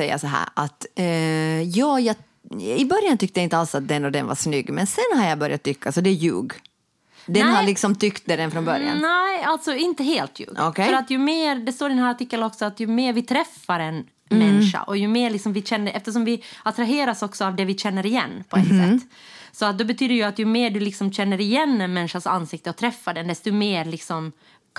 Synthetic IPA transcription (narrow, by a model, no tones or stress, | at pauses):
sɛjːa̰sɔɦæ̰ːɾa̰t̪ | jɑːjɑː | ɪbœɾjant̪ʰʏk̚t̪əjaɪnt̪əalsat̪̚d̪ɛnːɔd̪ɛ̰nva̰ʂnʏɡːmɛnsɛnːhaɾjabœɾjat̪ːʏkʰːasɔd̪ɛjʉ̰ːɡ | d̪ɛnhalɪksɔmt̪ʰʏkt̪̚d̪ɛd̪ɛnfɾɔnbœɾja̰nnæalt̪sɔɪnt̪əɦeːlt̪jʉ̰ːɡɔ̥kʰɛfœɾat̪jɵmeːɾd̪ɛst̪oːɾɪnhæːaʈɪkːəlɔksɔat̪jɵmeːɾvɪt̪ʰɾɛfːaɾɛn | mɛnʂa̰ʔɔjɵmeːɾɭɪksɔmvɪɕɛnːəʔɛft̪əʂ̬ɔmvɪat̪ɾaɦeːɾasɔksɔavd̪ɛvɪɕɛnːəɾɪjɛ̰nːpʰɔɛt̪sɛt̪ː | sɔat̪̚d̪ɔbɛt̪ʰyːd̪əɾjʉat̪jɵmeːɖʉlɪksɔmɕɛnːəɾɪjɛnːɛnmɛnʂasa̰nːsɪk̚t̪əɔt̪ʰɾɛfːaɖɛnd̪ɛst̪ɔmeːɾlɪksɔm